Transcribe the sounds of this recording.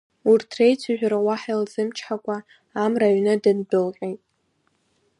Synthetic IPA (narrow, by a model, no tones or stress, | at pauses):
urtʰrejt͡sʷʰuʒᶣɾawaħajlzɨmt͡ʃʰħakʷʼaː | mraɥnɨdɨnbɨlqʲʼejtʼ